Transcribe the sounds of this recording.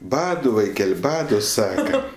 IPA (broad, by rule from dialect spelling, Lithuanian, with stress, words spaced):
ˈbɑːdʊ ʋɐɪˈkʲɛlʲ ˈbɑːdʊ ˈsɑːkɐ